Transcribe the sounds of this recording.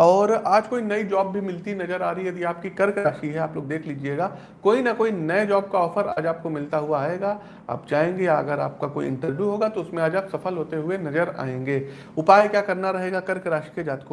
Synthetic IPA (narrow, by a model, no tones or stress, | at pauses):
ɔːɾaːd͡ʒkoːinɐid͡ʒɔːbːʱimɪlt̪inɐd͡ʒəɾaːɾəiɛd̪aːp̚kikɐɾkaːʃiɦɛaːploːɡ̚d̪eːkʰliːd͡ʒieːɡaː | koːinɐkoːinɐed͡ʒɔːb̚kaɔːfəɾa̰ːd͡ʒaːp̚komɪlt̪aɦuaːeːɡaː | a̰ːpd͡ʒaːẽːŋɡejaɐ̰ɡəɾa̰ːp̚kakoːḭɪ̰̃ɳʈəɾʋjuɦoːɡat̪oʊsmẽaːd͡ʒaːpsɐfəlɦoːt̪eɦʊenɐd͡ʒəɾa̰ːẽːŋɡeː | ʊpaːjkjaːkɐɾnaɾɐɦeːɡakɐɾkɪɾaːʃi̥ked͡ʒaːt̪ko